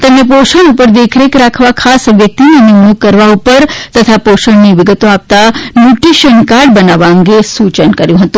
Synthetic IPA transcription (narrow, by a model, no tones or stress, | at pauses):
t̪əmnepoʃəɽupəɾd̪ekʰɾekɾakʰʋakʰasʋjək̚t̪inenɪmnukːəɾʋaupəɾt̪ət̪ʰapoʃəɽniʋɪɡət̪oap̚t̪anjuʈɾiʃənkaɾɖbənaʋaə̃ŋɡesut͡ʃənkəɾjũɦət̪ũ